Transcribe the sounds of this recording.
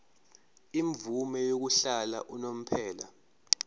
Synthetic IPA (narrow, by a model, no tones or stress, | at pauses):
iɱvumɛjok̬uɬala̰ʔunom̩pʰɛːla̰